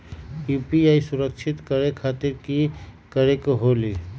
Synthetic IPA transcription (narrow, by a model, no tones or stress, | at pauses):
juːpiaːisʊɾəkʃʰɪt̪kəɾekʰaːt̪ɪɾki | kəɾekoɦoːli